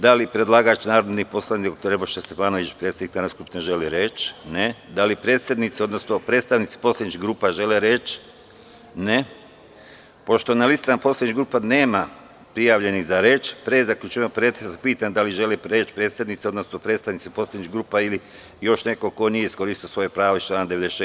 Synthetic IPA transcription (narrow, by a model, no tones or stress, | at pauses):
d̪alipɾed̪lˠaːɡat͡ʃnaːɾod̪nipo̞slˠanid̪d̪okt̪oɾeboʃest̪efaːnoʋit͡ʃpɾeːt̪sʲed̪niknaːnoskupneʒeliɾet͡ʃned̪alipɾeːt̪sʲed̪nit̪siod̪no̞snopɾet̪st̪aʋnit̪si̥po̞slad̪ɲit͡ʃiɡɾuːpaʒe̞leɾe̞t͡ʃ | ne | po̞ʃt̪onalist̪aaposlˠad̪ɲiɡɾuːpaneːma | pɾijaːʋʎe̞niɣzaɾe̞ːt͡ʃpɾeːzakʎʲut͡ʃuemopɾet̪eapiːt̪and̪aliʒe̞lepɾe̞ːt͡ʃpɾeːt̪sed̪nit̪sio̞d̪nosno̞pɾet̪st̪aʋnit̪sipo̞slˠad̪nɲiɡɾuːpaili | jo̞ʃne̞ko̞ko̞nijeisko̞ɾist̪iosʋo̞jepɾaːʋot͡ʃlˠaːnad̪ee̞d̪ee